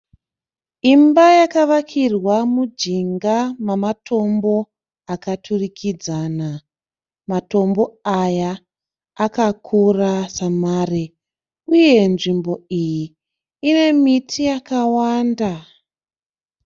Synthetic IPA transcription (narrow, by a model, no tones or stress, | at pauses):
imbajakaʋakʰirwamud͡ʒiŋɡamamatʰo̞mbo̞ | akatʰurikʰid͡zaːna | mato̞mbo̞ajaː | kakʰurasamaːri | uje̞nʐimbo̞ijiː | ne̞mitʰijakawaːnda